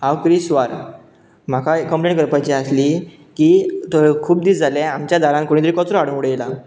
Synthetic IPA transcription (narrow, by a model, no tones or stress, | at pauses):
awkɾiːsʋaɾ | m̤akʰakːəmplẽɳʈkəɾpajt͡ɕiasliː | kiːt̪əkʰuːb̚d̪iːt͡sd͡zalɛ̃amt͡ɕjad̪ʱaɾãnkoɽ̃it̪ɾikɔt͡sɾɔaɽ̤ə̃ɽela